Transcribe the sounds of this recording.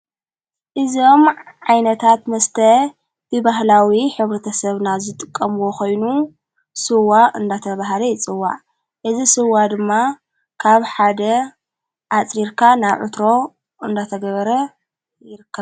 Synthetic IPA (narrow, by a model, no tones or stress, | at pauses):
ʔɨzo̞mʕajnɐt̪ʰat̪mɐst̪ʰɐ | b̥ɨbaɦlawiħɨβɾɐt̪ʰɐsɐβnazɨt̪ʼɨkʼːɐmwoxo̞jnu | sɨwaʔɨnd̪at̪ʰɐβaɦlɐjɪt͡sʼɨwːa̰ | ʔɨzisɨwːad̪ɨmːa | kʰaβħad̪ɐ | ʔat͡sʼɾiɾkʰanaβʕɨ̰t̪ɾo̞ | ʔɨnd̪at̪ʰɐɡɐβɐɾɐ | jɪɾɨkʰːɐβ